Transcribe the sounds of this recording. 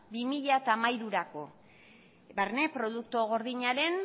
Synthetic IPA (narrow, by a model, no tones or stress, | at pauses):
bimiʎat̪amajɾuɾako̞̰ | baɾne̞pɾo̞ð̞uk̚t̪oɣ̞o̞ɾðiɲaɾe̞n